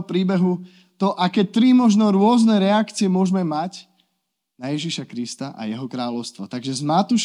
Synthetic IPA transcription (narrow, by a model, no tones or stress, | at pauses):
pɾiːbɛɦu | t̪ɔʔakɛːt̪ɾimɔʒnɔɾʊɔznɛɾɛakt͡siɛmʊɔʒmɛmac | najɛʒiʃakɾist̪aʔa̰jɛɦɔkɾaːlɔʊst̪ʋɔt̪aɡʒɛzmat̪uʃ